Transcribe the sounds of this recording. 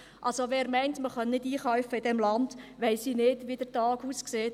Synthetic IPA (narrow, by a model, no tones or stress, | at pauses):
ʔɑlsoʋɛːɾmɛɪntməχœnnɪdiːχœwfəɪdɛmlɑndʋɛɪsiːnɪd̥ʋid̥ətɑːɡ̥uskseːt